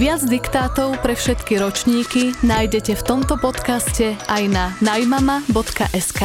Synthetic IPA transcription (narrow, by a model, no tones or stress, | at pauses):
ʋɪad͡zd̪ikt̪aːt̪ɔʊpɾɛfʃɛt̪kiɾɔt͡ʃɲiːkinaːjɟɛcɛft̪ɔmt̪ɔpɔt̪kascɛajnanajmamabɔt̪ka̰ʔɛskaː